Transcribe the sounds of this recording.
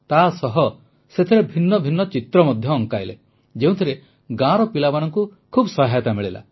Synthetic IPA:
t̪asɔɦɔ | set̪ʰiɾebʱinːɔbʱinːɔt͡ʃit̪ɾɔmɔd̪ʱjɔːŋkajle | d͡ʒeũt̪ʰiɾe | ɡãɾɔpilabañɔŋkukʰubsɔɦajt̪amiɭila̰

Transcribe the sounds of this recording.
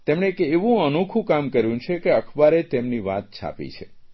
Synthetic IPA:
t̪emɳ̃ekeʋũənukʰũkamkəɾjũt͡ʃʰekeəkʰbaɾet̪emniʋa̰t̪̚t͡ʃʰa̰pḭt͡ʃʰḛ

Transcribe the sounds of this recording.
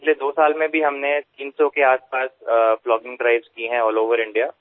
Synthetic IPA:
ɡled̪oːsaːlmẽbʱiɦɐmnet̪iːnsokeaːspaːsflɔːɡɪ̃ŋɡɖɾaːɪbzkiɦɛ̃ɔːloːʋəɾɪ̃ɳɖijaː

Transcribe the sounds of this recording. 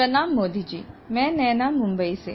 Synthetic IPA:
ɐnaːmːoːd̪id͡ʒḭːmɛ̃ːnɛːnaːmʊ̃mbəisḛ

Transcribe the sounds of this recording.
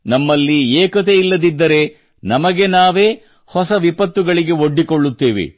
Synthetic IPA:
nɐmːɐlːieːkɐt̪̬e̞ilːɐd̪id̪ːɐɾe̞ | nɐmɐɡe̞naːʋe̞ː | hɔsɐʋipɐt̪ːuɡɐɭiɡe̞oɖːikoɭːut̪ːeːʋḭ

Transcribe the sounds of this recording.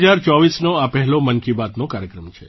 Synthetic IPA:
d͡ʒaɾt͡ʃɔʋisnoapɛɦɛlomənkibat̪nokaɾjəkɾəmt͡ʃʰe

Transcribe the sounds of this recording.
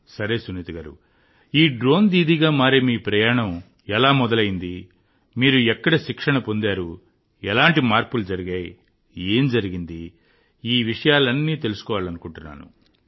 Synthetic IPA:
sɐɾe̞ːsunit̪iɡaːɾṵ | iːɖɾo̞ːnd̪iːd̪iɡaːmaːɾemiːpɾɐjaːɳɐm | ɛlaːmɔd̪ɐlɐjind̪i | miːɾuɛkːɐɽɐʃikʂɐɳɐpo̞nd̪aːɾu | ɛlaːɳʈimaːɾpulud͡ʒɐɾiɡaːj | e̞ːmd͡ʒɐɾiɡind̪i | iːʋiʂɐjaːlɐnːiːt̪e̞lusu̥kɔːʋaːlɐnukuɳʈunːa̰ːnṵ

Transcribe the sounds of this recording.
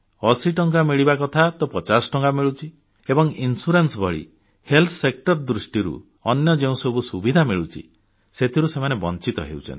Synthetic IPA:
ɔsiʈɔŋkamiɭibakɔt̪ʰat̪ɔpɔt͡ʃasʈɔŋkamiɭut͡ʃʰi | ebɔŋinsuɾensbʱɔɭḭ | helt̪ʰɔ̥sek̚ʈɔɾd̪ɾusʈiɾṵ | ɔnjɔd͡ʒeũsobusubid̪ʱamiɭut͡ʃʰḭ | set̪ʰiɾusemanebɔnt͡ʃit̪ɔ̰ɦḛwt͡ʃʰɔ̰nt̪i

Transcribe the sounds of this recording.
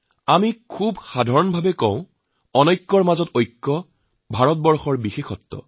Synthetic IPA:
amikʰubxadʱaɹɔnbʱabɛkɔ̃wʊ̃ | ɔnɔjkːɔɹmazɔtojkːɔ | bʱaɹɔtbɔɹxɔɹbixexɔtːɔ̰

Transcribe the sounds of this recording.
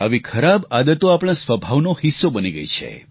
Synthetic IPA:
ə̰ʋikʰəɾabad̪ət̪oapɽ̃ãsʋəbʱaʋnohisːobəniɡə̰jt͡ʃʰḛ

